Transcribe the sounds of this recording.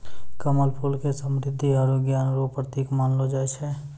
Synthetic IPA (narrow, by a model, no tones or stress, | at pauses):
kəməlpʰulkesəmɾɪd̪ʱːiaːɾuɡjaːnɾopɾət̪iːkmaːnlod͡ʒaːeʃɛ